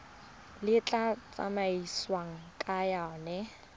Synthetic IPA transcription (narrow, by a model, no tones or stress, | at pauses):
lɪt͡ɬʼat͡sʼa̰maiswaŋ̩kʼajanɛ